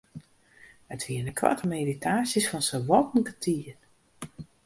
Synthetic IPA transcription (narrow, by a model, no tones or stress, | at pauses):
ətʋiəndəkʰʋa̰təmeːditʰaːsjəsfɔnsəʋɔtn̩kətʰiən